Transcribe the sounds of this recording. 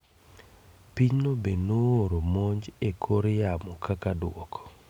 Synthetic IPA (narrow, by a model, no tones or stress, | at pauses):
piɲnobenooɾomoɲd͡ʒekʰoɾjamɔkʰakadwɔkɔ̥